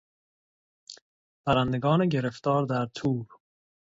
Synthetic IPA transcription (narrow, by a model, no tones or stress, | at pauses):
b̥æɾænd̪eɡɒːneɟeɾeft̪ɒːɾd̪æɾt̪ʰuːɾ